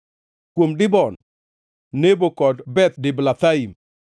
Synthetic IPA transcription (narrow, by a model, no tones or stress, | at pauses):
kwomdɪbɔnː | nebokɔtbɛt̪̚dɪblat̪aim